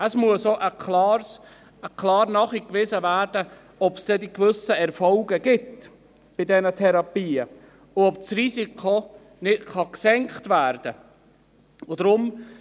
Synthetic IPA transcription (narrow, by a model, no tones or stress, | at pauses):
əsmuəsoʔəklɑːɾs | əkʰlɑːɾnɑːχikvɪzəvæːɾd̥ə | ɔpsd̥ɛdikvʏsəɛɾfɔlɡəɡɪt | b̥ɪdɛnətʰɛɾɑpiːə | ʊɔpsrisikʰo | nɪtχɑksɛŋkχtvæːɾd̥ə | ʊdɾʊm